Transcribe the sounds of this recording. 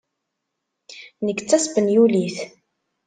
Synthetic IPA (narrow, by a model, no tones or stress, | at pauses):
nəkːt͡sːæsbənjuliθ